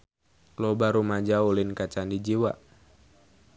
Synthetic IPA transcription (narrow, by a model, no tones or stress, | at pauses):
klobaɾumad͡ʒaulinkat͡ʃandid͡ʒiwa̰